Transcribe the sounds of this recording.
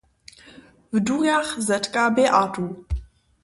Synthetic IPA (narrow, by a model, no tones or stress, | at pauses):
vduɣaχzɐtʰʼkʼaːbeːʔaːtʼu